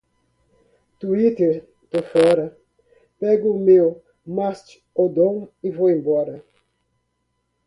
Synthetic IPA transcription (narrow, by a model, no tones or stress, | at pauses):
t̪uit̪eɾ | t̪ofɔɾɐ | pɛɡʊːmew | mast͡ʃ | od̪õŋivoẽmbɔɾɐ